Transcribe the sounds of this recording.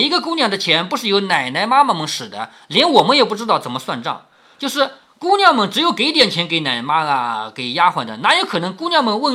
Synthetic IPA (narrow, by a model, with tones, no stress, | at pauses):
i˧˥ɡə˧kʊ˥njɑ˥˩ŋd̪ə˧t͡ɕʰjɛ˧˥npu˧˥ʂɻ̩˥˩jo˧˥ʊna˨˩ɪna˧˥ɪma˥ma˨˧mɤ˧ŋʂɻ̩˨˩d̪ə̰˦ | ljɛ˧˥nwɔ˨˩mə˧˦njɛ˨˩pu˥˩ʈ͡ʂɻ̩˥t̪ɑ˥˩ʊt͡sə˨˩nmə˦˧swa̰˥˧nʈ͡ʂɑ̰˥˩ŋ | t͡ɕjo˥˧ʊʂɻ̩˥˧ | ku˥njɑ˥˩ʊmə˧˩ŋʈ͡ʂɻ̩˧˥jo˧˩ʊke˧˥ɪt̪jɛ˨˩nt͡ɕʰjɛ˧˥nke˧˥ɪna˨˩ɪma˥a˨ke˨˩ɪja˥xwa˧˩nd̪ə̰˧na˧˥jo˧˥ʊkʰɤ˨˩n˧˥ŋku˥njɑ˥˧ʊmə˧ŋwə˥˧